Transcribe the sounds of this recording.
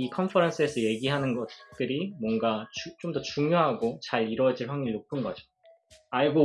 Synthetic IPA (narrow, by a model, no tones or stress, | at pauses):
ikʰʌnpʰʌɾʌnsʰɯe̞sʰʌje̞ɡiɦanɯnɡʌtt͈ɯɾimwʌŋɡat͡ɕut͡ɕ͈omdʌt͡ɕuŋjoɦaɡot͡ɕaɭiɾwʌd͡ʑiɭɸwaŋiɭnopʰɯnɡʌd͡ʑo | aɭɡo